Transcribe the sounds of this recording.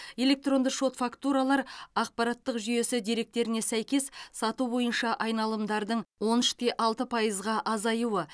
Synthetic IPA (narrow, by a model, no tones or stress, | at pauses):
je̞le̞k̚t̪ro̞nd̪əʃo̞t̪fakt̪uɾalˠɑɾɑq̚pɑɾɑt̪ːəqʒʏje̞sɪd̪ijɾe̞k̚t̪e̞ɾɪne̞sæjkʲe̞ssɑt̪ubo̞jənʃɑʔɑjnɑlˠəmd̪ɑɾd̪əɴwo̞nʏʃt̪e̞ʔɑlˠt̪əpʰɑjəzʁɑʔɑzɑjuwə